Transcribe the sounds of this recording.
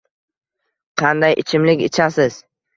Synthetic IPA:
qʰɑnd̪ajʔɪ̰t͡ʃʰɪmlɪkʲɪt͡ʃʰasɪz̥

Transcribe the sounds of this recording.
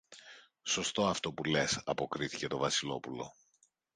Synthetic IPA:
so̞st̪o̞ɐft̪o̞pule̞sɐpo̞kɾiθice̞t̪o̞vɐsilo̞pulo̞̰

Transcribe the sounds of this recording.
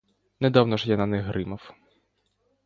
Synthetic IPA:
nɛd̪awnɔʒjananɛɦɾʔɪmɐw

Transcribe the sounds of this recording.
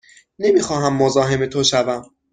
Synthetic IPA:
ne̞miːxɒːɦæmːozɒːɦe̞met̪ʰoʃævæm

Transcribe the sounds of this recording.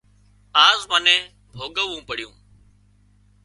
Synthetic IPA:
aːzmənẽː | bʱoːɠəʋũːpəɽ̤jṵ̃ː

